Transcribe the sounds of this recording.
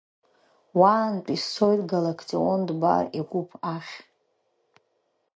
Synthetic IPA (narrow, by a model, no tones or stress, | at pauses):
waːnpʼist͡sʰo̞jtʼɡalakʰt͡sʼiondba̰riɡʷupʰaχʲ